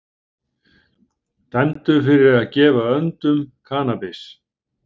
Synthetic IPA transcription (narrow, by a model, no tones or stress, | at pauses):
t̪ɛnt̪ʏfɪɾɪɾaðcɛːvaœnt̪ʏmkʰaːnapɪs